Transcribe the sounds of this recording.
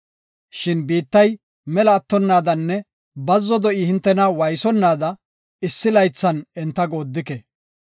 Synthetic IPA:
ʃɪnbiːt̪ːɐj | mɛlɐːt̪ːɔnːaːd̪ɐnːɛ | bɐzːɔd̪ɔʔihɪnt̪ːɛnɐwɐjsɔnːaːd̪ɐ | ɪsːɪlɐjt͡sːɐnɛnt̪ːɐɡoːd̪ːɪkɛ

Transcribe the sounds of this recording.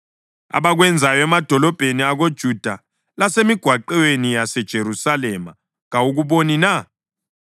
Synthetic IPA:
a̰βaɣwɛnd͡zʱajɔɛmad̥ʱɔlɔb̥ʱeniaɣod̥ʒ̥ʱud̥ʱa | lasemiɡ̥ʱwaǃɛwenijasɛd̥ʒ̥ʱeɾusalɛma | ŋauɣuβonina

